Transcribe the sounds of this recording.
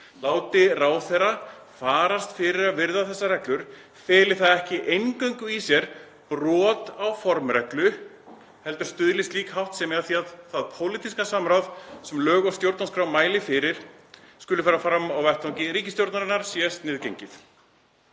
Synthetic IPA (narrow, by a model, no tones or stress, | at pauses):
laːwt̪ɪraːwθɛra | faːɾast̪fɪɾɪɾaðvɪɾðaθɛsːarɛhklʏɾ̥ | fɛːlɪ̥θaðɛhcɪʔejnkœɥŋkʏisjɛɾ̥ | prɔːt̪awfɔɾmrɛklʏ | hɛlt̪ʏɾ̥st̪ʏðlɪst̪liːkhawht̪sɛmɛaθiaðθaðpʰoːwlit̪ʰiskasamɾawðsɛmlœːɣawst̪jowɾt̪nanskɾawmːaːjlɪfɪɾɪɾ̥ | skʏlʏfɛɾafɾamawvɛht̪ʰawɲcɪɾiːcɪst̪jowɾt̪naɾɪnːaɾ̥sjɛst̪nɪːðcejɲcɪθ